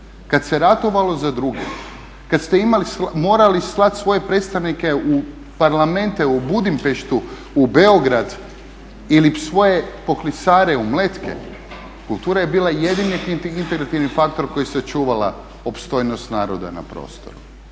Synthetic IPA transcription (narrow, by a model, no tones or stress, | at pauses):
kat̪seɾat̪oʋalˠo̞zad̪ɾuɡḛ | kat̪st̪eimalismo̞ːɾalislˠat̪sʋo̞jepɾet̪st̪aʋnike̞u | paɾlame̞nt̪eubud̪impeʃt̪uː | be̞oɡɾad̪ | ilisʋo̞je̞po̞klisaːɾeumlet̪kʰḛ | kulˠt̪uːɾajebiːlˠajed̪ineint̪eɡɾat̪iʋnifak̚t̪o̞ɾko̞jiset͡ʃuːʋala̰ | o̞pst̪o̞jno̞st̪naːɾod̪a̰na̰pɾo̰ːst̪o̞̰ɾu